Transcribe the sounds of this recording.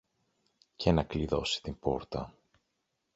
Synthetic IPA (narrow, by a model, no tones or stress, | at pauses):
ce̞nɐkliðo̞si̥t̪imbo̞̰ɾt̪ɐ